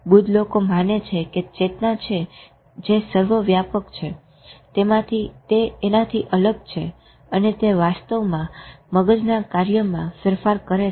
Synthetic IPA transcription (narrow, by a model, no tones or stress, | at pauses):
bud̪ʱlokomanet͡ʃʰeket͡ʃet̪nat͡ʃʰe | d͡ʒesəɾʋəʋjapəkt͡ʃʰe | t̪emãt̪ʰit̪eenat̪ʰiʔələɡt͡ʃʰe | ənet̪eʋast̪əʋmãməɡəd͡ʒnakaɾjəmãfəɾfaɾkəɾe